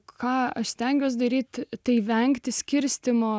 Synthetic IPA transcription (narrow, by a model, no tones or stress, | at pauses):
kɑːɐʃsʲt̪ʲɛŋʲɡʲuːs̬d̪ɐɾʲiːt̪t̪ɐɪʋʲɛŋʲkt̪ʲɪsʲkʲɪɾʲsʲt̪ʲɪmoː